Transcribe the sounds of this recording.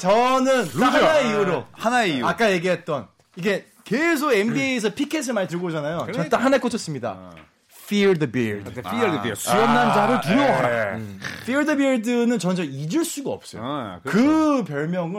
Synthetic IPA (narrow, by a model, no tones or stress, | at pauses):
t͡ɕʌnɯntaanaeiuɾohanaeiak͈aje̞ɡiɦe̞t̚t͈ʌn | iɡe̞ | kes̬ʰoɡembieːs̬ʰʌpʰikʰes̬ʰɯɭmaɲit̬ɯɭɡod͡ʑanajoʌnɯtakhanaek͈ot͡ɕʰʌs͈ɯmɲida̰ | fʰiɭdɯbiɭd | iʌnnːand͡ʑaɾɯɭtuɾʌwaɾa | fʰiɭdɯbiɭdɯnɯnt͡ɕʌnd͡ʑʌid͡ʑɯɭs͈uɡaʌ̰p̚s͈ʌjo̰kɯpjʌɭmjʌŋɯ